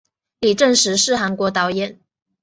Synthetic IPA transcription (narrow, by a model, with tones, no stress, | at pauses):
li˨˩ʈ͡ʂə˥˩ŋʂɻ̩˧˥ʂɻ̩˥˩xa˧˥nkwɔ˧˥t̪ɑ˧˥ʊjɛ˨˩˦n